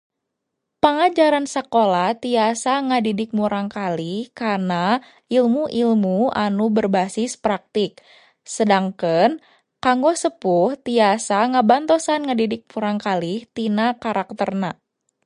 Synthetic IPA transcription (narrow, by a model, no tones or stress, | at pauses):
pəŋad͡ʒaɾansəkolaht̪iasaŋədidɪk̚muɾaŋkalihkarna | ilmuʔilmua̰nubərbasɪspɾak̚t̪ɪk̚ | sədaŋkən | kaŋɡɔsəpuht̪iasaŋəbant̪osanŋədidɪk̚muɾaŋkaliht̪inakaɾak̚t̪ərna